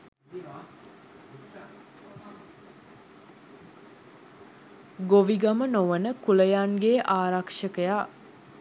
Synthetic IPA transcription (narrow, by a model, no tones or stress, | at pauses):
ɡoʋiɡamənoʋənəkuləjanɡeːʔaːɾakʂəkəja